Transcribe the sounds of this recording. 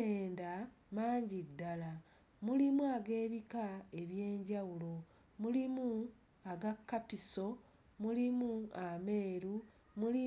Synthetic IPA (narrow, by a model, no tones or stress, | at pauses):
eːnda | maːɲɟidːala | mulimuaɡe̞ːβikae̞βje̞ːɲɟawulo̞ | mulimu | aɡakːapiso̞ | mulimuame̞ːɾu | muli